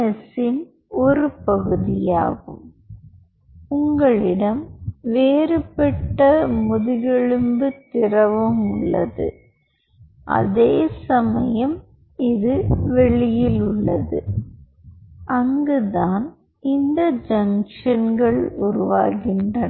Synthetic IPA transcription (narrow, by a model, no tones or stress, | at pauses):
ɐsɪn | ɔɾɯpɐɣɯðɪja̰ːɣɯm | ʊŋɡɐɭɪɽɐmʋeːɾɯpɛʈːɐmʊðɪɣɛɻɯmbɯt̪ɪrɐʋɯmʊɭːɐðɯ̰ | ʔɐ̰ðeːsɐmɐjɐm | ɪðɯʋɛɭɪjɪlʊɭːɐðɯ̰ | ʔɐŋɡɯðaːn | ɪnd̪ɐd͡ʒɐŋʂɐnɡɐɭʊɾʊʋaːɣɪndrɐ